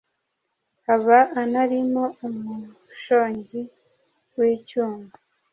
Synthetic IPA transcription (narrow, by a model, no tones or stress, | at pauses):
aβaʔːnaɾimoumu | ʃoːɲɟi | wiːcuːŋɡu